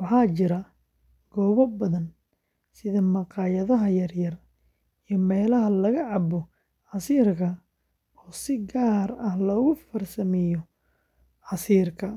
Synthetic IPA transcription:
wɑħɑːt͡ʃɪɾɐ | ɡ̥ɔːβɐbɐðɐn | sɪðɐmɑqɑːjɐðɐɦɐjɐrjɐr | ijɔmɛːlɐɦɐlɐɣɐʕɑbɔ | ʕɑsiːrkʰɐ | ɔːsɪɡaːɾɐhlɔːɣʊfɐrsɐmɛjɔ | ʕɑsiːrkʰɐ

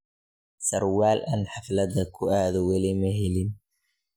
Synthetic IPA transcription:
sɐrwaːlʔɐnħɑflɐðɐkʰʊaːðɔwɐlɪmɐɦɛlɪn

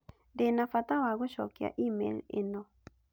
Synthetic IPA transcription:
ndenafat̪awaɡoʃɔ̰kja̰ʔimḛlḛnɔ

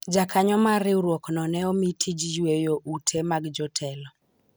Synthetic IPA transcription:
d͡ʒakaɲɔmaɾɪuɾwɔknɔnɛɔmitʰid͡ʒjwejoʔutʰemaɡd͡ʒɔtʰɛlɔ

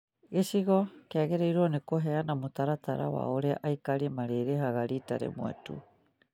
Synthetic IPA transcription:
ɡesiɡokeaɡeɾaiɾonekoɦeanamut̪aɾataɾa̰wa̰oɾeaʔajkaɾimaɾeɾeɦaɡaɾita̰ɾḛmuḛtṵ

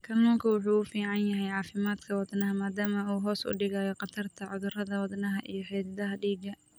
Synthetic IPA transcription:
kʰɐmɔkʰɐwʊħuːʊfiːʕɑnjɐɦɛjʕɑːfɪmaːd̪kʰɐwɑd̪nɐɦɐmaːd̪aːmɐuːɦɔːsʔʊ̰ɖɪɣaːjɔqɑt̪ʰɐrt̪ʰɐʕʊðʊrɐðɐwɑd̪nɐɦɐʔḭjɞħɛːd̪ɐðɐɦɐɖiːɡɐ

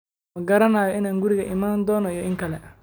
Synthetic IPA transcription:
mɐɡɐɾɐnaːjɔʔɪnaːŋɡʊɾɪɣɐʔɪmaːnd̪ɔːnɔijɔʔɪŋkʰɐlɛ

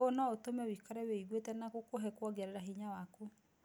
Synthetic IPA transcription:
onɔotomɛwikɔɾɛweiɡwetɛnakokoɦɛkwɔɡaɾeɾaɦiɲawako

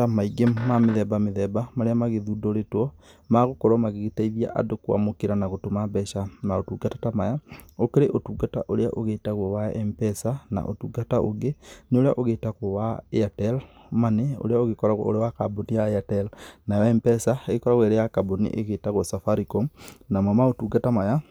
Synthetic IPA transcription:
amaiɡemmameðɛbameðɛbamaɾeamaɣeðudoɾetwɔ | maɣokoɾamaɣeɣetaiðia̰ʔa̰dokwa̰mokeɾanaɣotomabɛʃanaotuɡatatamajaokeɾeʔotuːɡata̰ʔoɾeaʔoɣeːtaɣɔwaɛmpɛsana̰ʔo̰tuɡataʔoɡeneoɾea̰ʔoɣetaɣowaeatɛl | maneo̰leaoɣekɔɾaɣ̰o̰ɾewakabonijaeatɛlnajɔɛmpɛsaeɣekɔɾaɣweɾejakabonḭʔḛɣetaɣosafaɾikonamamaotuɡatamaja

